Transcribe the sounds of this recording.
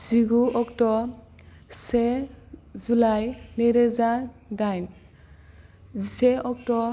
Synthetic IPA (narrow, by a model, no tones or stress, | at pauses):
z̥iɡuɔk̚tɔ | se | zulajneɾezadajn | ziseɔk̚tɔ